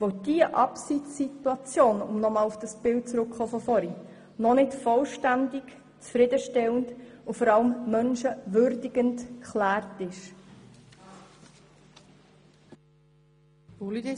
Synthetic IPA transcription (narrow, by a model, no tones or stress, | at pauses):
ʋod̥iəʔɑpsit͡sːituɑt͡sjoːnʊ̰mnɔmɑːlʊfd̥ɑsb̥ɪlt̚t͡sɾʊkχoːfɔfɔɾi | nɔnɪtfɔlʃtændɪk | t͡sfɾɪdəʃtɛləndʊfɔɾɑləmːœnʃəʋʏɾdɪɡ̥əntkχlæːrtɪʃ